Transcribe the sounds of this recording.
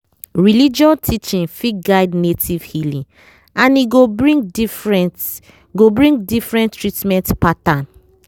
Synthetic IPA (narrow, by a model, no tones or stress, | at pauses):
ɹilid͡ʒɔntʰit͡ʃĩnfiɡaɪdnetʰiv̥hilĩ | ãniɡobɹĩdifɹɛnt | ɡobɹĩŋɡdifɹɛ̃ntɹitmɛ̃ntpatãn